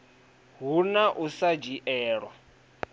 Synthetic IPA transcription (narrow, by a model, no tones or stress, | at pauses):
ɦunaʔusad͡ʒiʔɛːɺwa